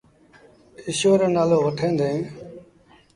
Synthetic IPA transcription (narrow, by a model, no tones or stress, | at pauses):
ɪʃoːɾəːnaːloːʋəʈʰẽːnd̪ẽː